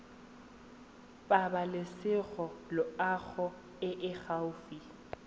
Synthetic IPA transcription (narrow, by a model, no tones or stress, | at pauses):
pʼabalɪsɪɣɔlʊaɣʰɔ | ɪʔɪɣaʊfi